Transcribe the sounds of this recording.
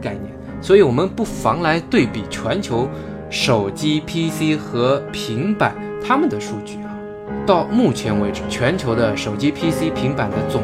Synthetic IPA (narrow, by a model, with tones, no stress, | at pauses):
ka˥˧ɪnjɛ̰˥˩n | swɔ˧˥i˧˩wɔ˨˩mə˧˦npu˥˩fɑ˧˥ŋla˧˥ɪt̪we˥˩ɪpi˨˩t͡ɕʰɥɛ˧˥nt͡ɕʰjo˧˥ʊ | ʂo˨˩ʊt͡ɕi˥pʰi˥si˥xɤ˧˥pʰi˧˥ŋpa˨˩˦n | t̪ʰa˥mə˨nd̪ə˩ʂu˥˧t͡ɕy˥˩a˩ | t̪ɑ˥˧ʊmu˥˩t͡ɕʰjɛ˧˥nwe˧˥ɪʈ͡ʂ̩˧˥t͡ɕʰɥɛ˧˥nt͡ɕʰjo˧˥ʊd̪ə˧ʂo˨˩ʊt͡ɕi˥pʰi˥si˥pʰi˧˥ŋpa˨˩nd̪ə˦t͡sʊ˨˩